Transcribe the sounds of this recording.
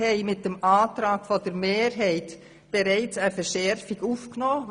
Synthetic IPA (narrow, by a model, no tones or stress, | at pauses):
hɛɪmɪt̚d̥emʔɑːtɾɑːkfodəɾmeːɾɦɛɪt | b̥eɾɛɪt͡səfəʃɛɾfiɡuːfknoː